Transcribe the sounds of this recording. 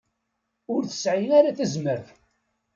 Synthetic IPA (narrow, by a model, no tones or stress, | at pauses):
ʊɾθə̥sʕinaɾaθəzməɾ